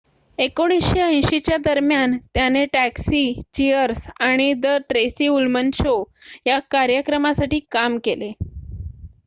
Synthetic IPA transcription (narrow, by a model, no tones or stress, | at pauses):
ekoɽ̃isɕeə̃j̃ɕit͡ɕjad̪əɾmjant̪janeʈæksiːt͡ɕiəɾsaɽ̃id̪əʈɾesiːulmənt͡ɕojakaɾjəkɾəmasaʈiːkamkele